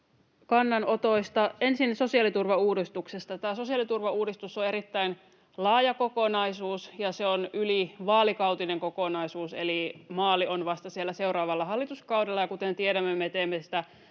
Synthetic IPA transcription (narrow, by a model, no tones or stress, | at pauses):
kɑnːɑnot̪oist̪ɑensinso̞siɑlit̪urʋɑuːdist̪uksest̪ɑt̪æːso̞siɑlit̪urʋɑuːdist̪usːoe̞ɾit̪ːæin | lɑːjɑkokonɑisuːsjɑseonyliʋɑːlikɑut̪ineŋkokonɑisuːselimɑːlːˑionʋɑst̪ɑsielːæseuɾɑːʋɑlːɑhɑlːit̪uskɑwdelːɑjɑkut̪ent̪ieɾæmːemet̪eːmːesi̥t̪æ